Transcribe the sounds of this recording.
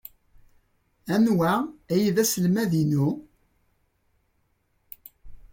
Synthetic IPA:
ænwææjiðæsəlmæðinu

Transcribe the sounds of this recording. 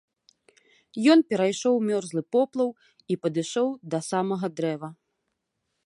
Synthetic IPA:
jɔnpʲɛɾajʂɔwmʲɔrzlˠɨpɔplˠɐw | ipɐd̪ɨʂɔwd̪ɐsamɐɣɐd̪ɾɛvɐ

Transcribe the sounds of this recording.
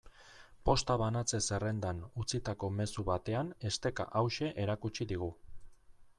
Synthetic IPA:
po̞st̪aβ̞anat͡se̞se̞re̞nd̪anut͡sit̪ako̞me̞suβat̪e̞ane̞st̪e̞ka̰ʔawʃe̞ʔeɾakut͡ʃiðiɣ̞u

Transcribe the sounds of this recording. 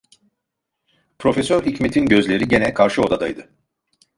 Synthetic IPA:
pʰɾo̞fesøɾicme̞t̪ʰinɟø̞zlʲe̞ɾiɟe̞nɛkʰaɾʃɯo̞d̪ad̪a̰jd̪ɯ

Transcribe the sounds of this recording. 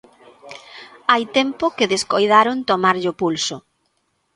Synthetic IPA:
ajt̪ɛmpʊkɪðeskojðaɾʊnt̪omaɾʎʊpulsʊ

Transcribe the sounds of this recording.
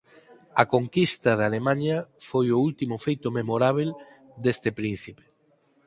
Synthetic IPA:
ɐkoŋkist̪ɐð̞alemãɲɐfojʊult̪imʊfejt̪ʊmemoɾaβ̞el | d̪est̪ɪpɾin̟θipe̥

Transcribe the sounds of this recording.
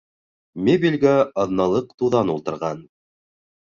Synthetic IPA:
mʲebʲilʲɡæɑðnɑlˠɤqt̪uðɑnulˠt̪ɤ̆ɾʁɑn

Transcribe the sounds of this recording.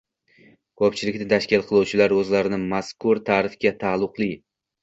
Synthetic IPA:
kʰɒpt͡ʃʰɪlɪkʲnɪt̪ʰaʃkʲɪlˠqʰɨlˠuwt͡ʃʰɪlaɾɵzlaɾɪnɪmaskʰʊɾt̪ʰaːɾɪfkʲat̪ʰalˠʊqlˠi

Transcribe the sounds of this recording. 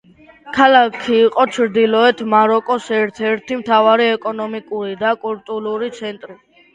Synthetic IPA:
kʰalakʰiːqʼɔt͡ʃʰɾd̪ilɔɛt̪ʰmaɾɔkʼɔsɛɾt̪ʰɛɾt̪ʰimt̪ʰavaɾiɛkʼɔnɔmikʼuɾid̪akʼult̪ʼuluɾit̪sʰɛnt̪ʼɾi

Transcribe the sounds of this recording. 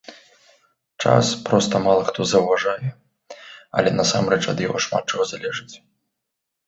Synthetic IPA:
t͡ʂa̰spɾɔst̪ɐmalˠɐxt̪ɔzɐwvaʐajɛ | ɐ̰lʲɛnɐsa̰mrɛt͡ʂɐd̪jaɣɔʂma̰t̪̚ːt͡ʂɐɣɔzalʲɛʐɨt͡sʲ

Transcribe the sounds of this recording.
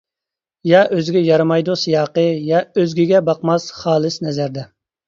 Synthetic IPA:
jɑʔøzɪɡʲɛjɑɾmɑjd̪usɨjɑːqəjɑøzɡʲiɡʲɛbɑqmɑsχɑːlˠɨsnɛzæɾd̪ɛ

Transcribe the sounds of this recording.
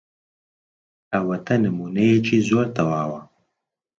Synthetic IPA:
ɐwɐt̪ʰɐnɨmuːnɐjet͡ʃʰiːzoːɾt̪ɐwaːwɐ

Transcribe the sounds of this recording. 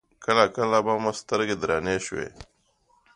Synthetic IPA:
kəlakəlabaːmast̪əɾɡed̪ɾaːneʃwḛ

